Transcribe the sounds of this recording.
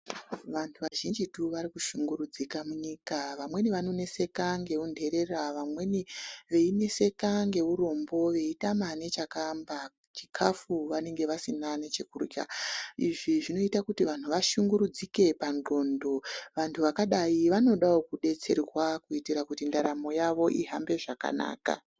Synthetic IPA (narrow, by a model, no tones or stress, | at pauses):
ʋantʰuʋaʒind͡ʒituʋaɾikuʃuŋɡuɾud͡zikamuɲikaʋamwe̞niʋano̞ne̞se̞kaŋɡe̞undʱe̞ɾe̞raʋamwe̞niʋe̞ine̞se̞kaŋɡe̞uɾo̞mbo̞ʋe̞itamane̞t͡ʃakamba | t͡ʃi̥kʰafuʋane̞ŋɡe̞ʋasinane̞t͡ʃekurka̰iʐiʐino̞itakutiʋan̤uʋaʃuŋɡuɾud͡zike̞pando̞ndo̞ʋantʰuʋakaɗaiʋano̞ɗaokuɗe̞t͡se̞̰rwakuitiɾakutindaɾamo̞jaʋo̞ʔiɦambe̞ʐaka̰na̰ːka̰